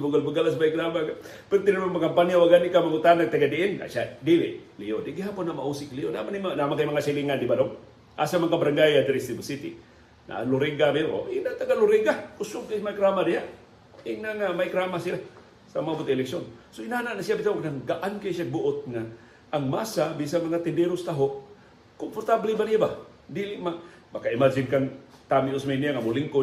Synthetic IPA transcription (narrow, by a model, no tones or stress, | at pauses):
buɡalbuɡalasmajkɾamaɡa | pənt̪ɪnamaŋmakampanjawaɡanikamaŋut̪anaɡ̚t̪aɡadiʔɪnŋa̰sadilɪ̰ʔliodɪɡiɦaːpʊnːama̰ʔusɪklijona̰manimanamaŋkajmaŋasaliŋandibadoŋ | ʔa̰samaŋkabaɾaŋɡajad̪ɾist̪ɪbusit̪ḭ | na̰ʔlʊɾɪŋɡamɪɾo̰inat̪aɡalʊɾɪɡakʊsʊŋkajmajkɾamadijaʔ | ɪnaŋamajkɾamasila | samaabʊt̪aŋɪlɛksonsoinaːnaʔnasjabɪt̪aonaŋɡaʔankasaɡ̚bʊʔʊt̪̚ŋaː | ŋmasabisaŋmɐŋat̪ɪnd̪ɛɾʊst̪aɦoʔ | kompoɾt̪ablɪbanijaba | d̪ilɪma | bakaɪmad͡ʒɪnkaŋt̪amɪʔʊsmainijaŋamʊlɪŋko